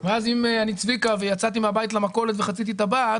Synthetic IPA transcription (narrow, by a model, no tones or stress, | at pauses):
veazimeanit͡svikave̞jat͡sat̪imeabajit̪̬lamako̞le̞t̪ve̞χat͡sit̪̬it̪abait